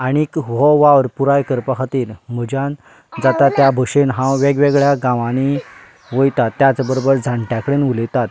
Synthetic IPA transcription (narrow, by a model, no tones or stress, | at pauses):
aɽ̃ikʋɔʋaʋəɾpuɾajkəɾpəɦat̪iːɾm̤əd͡ʑãn | d͡zat̪at̪jabʱəɕenɦãʋeɡʋeɡɭjaɡãʋaɽ̃i | ʋəjt̪at̪ːjat͡sbəɾobəɾd͡zʱaɳʈjakəɽenʋuləjt̪at̪̚